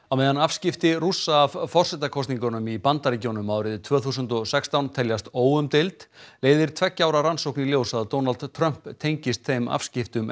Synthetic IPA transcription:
awmeːjðanafscɪft̪ɪrusaːvfɔr̥sɛt̪akʰɔst̪niŋkɔnʏmipant̪aɾicownʏmawɾɪðt̪ʰvœːθus̬ʏnt̪ɔsɛkst̪awnt̪ʰɛljast̪oːwʏmt̪ɪlt̪leːjðɪɾ̥t̪ʰvɛcːaːwɾaɾansowkniljoːwsaðt̪ːownalt̪t̪ʰːɾœm̥pt̪ʰːejɲcɪst̪θejma̰fscɪft̪ʏm

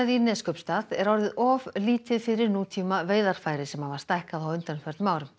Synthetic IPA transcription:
ðinɛːskœpst̪aðɛɾɔɾðɪðɔvliːt̪ɪðfɪɾɪɾnuːt̪ʰiːmaveːjðaɾ̥faːjɾɪsɛmhavast̪ajhkaðawʏnt̪anfœɾ̥t̪maːwɾʏm

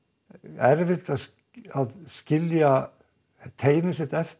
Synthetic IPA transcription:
ɛɾvɪ̥t̪as | aðscɪlja | t̪ʰeːjnɪsɪt̪ɛft̪

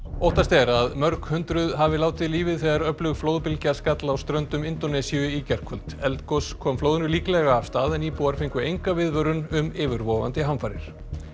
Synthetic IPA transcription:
owht̪ast̪ɛɾaðmœɾkhʏnt̪ɾʏðɦavɪlaːwt̪ɪðliːvɪðθɛːɣðaɾœplʏɣfloːwðpɪlcaskat̪laːwst̪ɾœnt̪ʏmɪnt̪ɔnɛsiʏicɛr̥kʰɔlt̪ɛlt̪kɔskʰɔːmfloːwðɪnʏliːklɛɣaːvst̪aːðɛniːpuaɾ̥fɪŋkʏejŋkavɪðvœɾʏnʏmɪːvʏɾvɔːva̰nt̪ɪɦanfaɾɪ̰ɾ̥

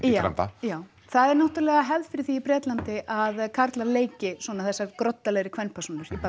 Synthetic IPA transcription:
a̰nt̪a̰jaːw | θaðɛɾnaht̪ʏɾlɛɣaɦɛvðfɪɾɪθiːpɾɛːt̪lant̪ɪʔaðkʰaɾt̪laɾleːjcɪswɔːnaθɛsːaɾ̥kɾɔt̪ːalɛɣɾɪkʰvɛnːpʰɛ̥ɾsunʏɾipa

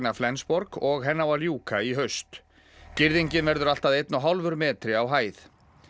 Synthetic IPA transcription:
naflɛnspɔɾkɔɣɦɛnːawaljuːkaiɦœɥst̪ | cɪɾðiɲcɪnvɛɾðʏɾal̥t̪aðejt̪nʏɦawlvʏɾmɛːt̪ɾɪawɦaːjθ

